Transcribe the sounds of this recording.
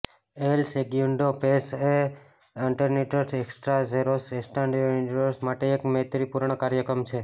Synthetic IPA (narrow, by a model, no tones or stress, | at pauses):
elsekjuɳɖopese | iɳʈəɾniʈəɾseksʈɾazeɾosesʈãɳɖuniʈəɾsmaʈeːkmeɦt̪ɾipuɾɳ̃əkaɾjəkɾəmt͡ʃʰe